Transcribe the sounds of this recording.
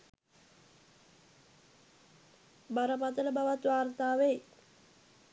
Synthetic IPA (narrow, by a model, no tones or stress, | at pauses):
baɾəpat̪ələbaʋat̪ʋaːrt̪aːʋej